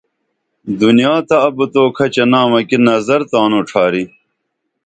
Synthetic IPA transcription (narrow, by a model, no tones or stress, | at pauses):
d̪unijaːt̪ɐɐbət̪oːkʰɐt͡ɕɐnaːmɐkinɐzɐɾt̪aːnoʈ͡ʂʰaːɾi